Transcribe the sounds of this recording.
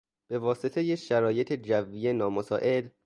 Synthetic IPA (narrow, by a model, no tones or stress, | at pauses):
b̥e̞vɒːset̪ʰe̞jeʃæɾɒːjet̪ʰed͡ʒævːiːjenɒːmosɒːʔe̞l